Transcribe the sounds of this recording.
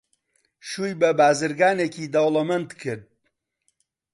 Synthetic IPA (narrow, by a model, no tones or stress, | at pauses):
ʃuːjbɐbaːzɨɾɡaːnekʰiːd̪ɐwlˠɐmɐnt̪kʰɨɾd̪̚